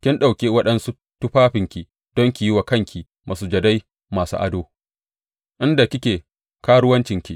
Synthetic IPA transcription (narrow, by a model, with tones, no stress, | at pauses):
kʲɪ˦nɗa˨wkʲeː˦wɐ˦ɗɐ˦nsu˦ | tʊ˦ɸaː˦ɸɪ˨ŋkʲi˨ | d̥ɔ˦ŋkʲi˨ji˦wa˨kɐ˦˨ŋkʲi˨ | mʔa˨suː˨d͡ʒɐ˨da˦j | maː˨sṵ˦ʔa̰˨doː˦ | ʔɪ˦nda˨kʲɪ˦kʲeː˨ | kaː˦ɽʊ˦wɐ˦nt͡ʃɪ˨ŋkʲi˨